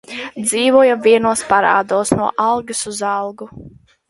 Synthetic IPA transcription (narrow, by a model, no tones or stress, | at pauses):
d̪ziːvuɔjavʲiɛnuɔspaɾa̰ːd̪uːsnuɔʔɑlˠɡɨsuzɑlˠɡu